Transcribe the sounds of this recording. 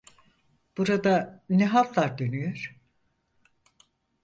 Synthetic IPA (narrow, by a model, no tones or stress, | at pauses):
b̥uɾad̪anɛɦalˠaɾd̪ønyjøɾ̥